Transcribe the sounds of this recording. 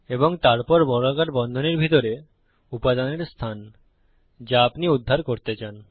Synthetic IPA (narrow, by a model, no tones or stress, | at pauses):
eboŋt̪aɾpɔɾbɔɾakaʈbɔnd̪ʱoneɾbʱit̪oɾe | upad̪aneɾst̪ʰan | d͡ʑaapniud̪ʱːaɾkoɾt̪et͡ɕan